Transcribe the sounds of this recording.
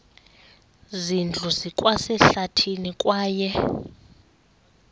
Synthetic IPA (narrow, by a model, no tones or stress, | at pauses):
zind͡ɮʱuzikʼwasɛɬatʰinikʼwaːjɛ